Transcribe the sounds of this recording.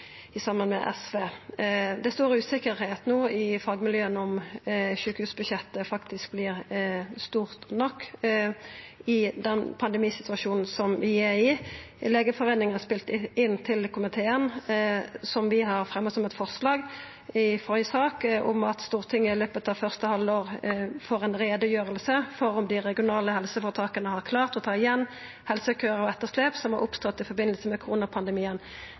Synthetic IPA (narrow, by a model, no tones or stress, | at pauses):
ɪsɑmbɑnmɛ̰ʔɛ̰sʋeː | d̪ɛst̪uːɾəʉːsɪkəɾheːt̪noːɪfɑːɡmɪljøːənɔmʃʉːkəhʉːsbʉd̪ʃjɛt̪ːəfɑkt̪ɪsk̚blɪːʁst̪uːʁt̪nɔkː | ɪd̪ɛnpʰɑnd̪ɛmiːsɪt̪ʉɑʃuːnn̩sɔmʋɪæɾɪ | leːɡəfɔʁeːnɪŋənɑspɪlt̪ɪnːt̪ʰɪlkʰʊmɪt̪ʰeːən | sɔmʋɪɦɑɾfʁɛmːɔsɔmɛt̪fɔʁslɑːɡ | ɪfɔʏsɑːkʔʊmɑt̪st̪uːʁt̪ʰɪŋːəɪløːpət̪ɑʋfœʁst̪əhɑld̪oːʁfoːɾɛɪnɾeːd̪əjøːɾəlsəfɔɾʊmd̪ɪɾɛɡɪʊnɑːləhɛlsəfɔːt̪ʰɑːkənəhɑɾkʰlɑːʁt̪ɔt̪ʰɑːɪjɛnː | hɛlsəkʰøːɾəɔɛt̪ːəʁsleːpsɔmhɑɾʔʊpst̪ɔt̪ːɪfɔɾbɪnəlsəmɛkʰʊʁuːnɑpʰɑnd̪ɛmiːən